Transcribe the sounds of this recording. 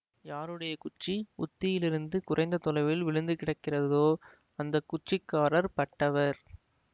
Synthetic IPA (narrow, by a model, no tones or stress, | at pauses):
jaːɾɯɽɐjɐkʊt͡ʃːiʊt̪ːɪjɪlɪɾɯnd̪ɯkʊrʔɐɪnd̪ɐt̪ʊlɐɪʋɪlʋɪɭɯnd̪ɯkɪɽɐkːɪrɐððoː | ɐnd̪ɐkːʊt͡ʃːɪkːaːɾɐɾpɐʈːɐʋɐɾ